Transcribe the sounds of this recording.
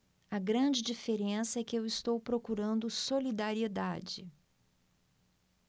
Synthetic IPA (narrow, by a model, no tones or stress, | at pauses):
ɐɡɾɐ̃d͡ʒɪd͡ʒifeɾẽsɐɛkɪewɪst̪owpɾokuɾɐ̃nd̪ʊsolid̪aɾied̪a̰d͡ʒɪ